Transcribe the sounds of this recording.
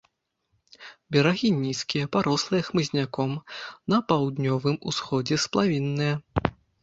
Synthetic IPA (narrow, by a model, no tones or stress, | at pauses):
bʲɛɾaɣʲinʲiskʲijɐpaɾɔslˠɨjɐxmɨzʲnʲakɔmnɐpawd̪nʲɔvɨmusxɔd͡zʲɛsplˠavʲinːɨjɐ